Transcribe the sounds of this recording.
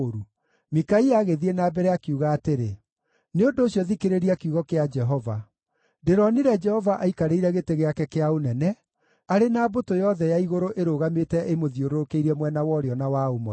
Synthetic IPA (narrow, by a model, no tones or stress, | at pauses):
ɾu | mikaiaɣeðienaːbɛɾɛakiuɣaːteɾe | neondoːɕjɔðikeɾeɾiakiuɣɔkead͡ʒɛɦɔva | deɾɔniɾɛd͡ʒɛhɔvaʔaikaɾeiɾɛɣeteɣeakɛkeaonɛnɛ | aɾenaːbotojɔðɛjaiɣoɾoʔeɾoɣametɛʔemoðioɾoɾokeiɾɛmwɛnawɔɾeɔnawaomɔ